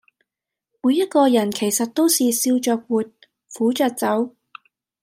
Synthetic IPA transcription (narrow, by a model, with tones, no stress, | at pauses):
muː˨˧jːɐ˥t̚kɔː˧jɐ˨˩nkʰe˨˩jsɐ˨t̚t̪o˥wsiː˨siː˧wt͡ʃœː˧k̚wuː˨t̚ | fuː˨˥t͡ʃœː˨˧k̚t͡sɐ˨˥w